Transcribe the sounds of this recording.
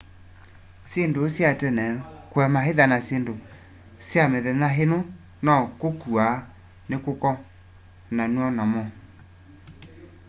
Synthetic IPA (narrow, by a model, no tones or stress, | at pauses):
sendosjatɛnɛkwɛmaɦeðanasendo | sjameðenaɦeno | nɔkokua | nekokɔ | nanuɔnamɔ